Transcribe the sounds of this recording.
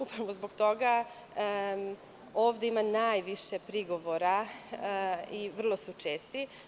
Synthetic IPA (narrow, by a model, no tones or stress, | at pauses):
upɾaʋozboɡt̪o̞ɡa | o̞ːʋd̪eimanaːjʋiʃe̞pɾiɡo̞ʋoɾa | iʋr̩lˠo̞sut͡ʃeːst̪i